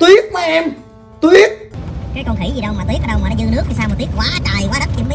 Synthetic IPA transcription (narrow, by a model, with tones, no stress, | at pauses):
t̪wi˦˥ək̚vaː˨˩ʔɛ˧m | t̪wi˦˥ək̚kaː˨˦jkɔ˧nxi˧˩zi˨˩ɗə˧wmaː˨t̪wi˦˥əʔːɗə˧wmaː˨nɔ˨˦zɨ˧nɨ˦˥ək̚ɲi˧saː˧m˨˩twi˦˥k̚waː˨˦t͡ɕaː˨˩jkwaː˨˦zə˦˥t̚ʔi˧əmi˨˦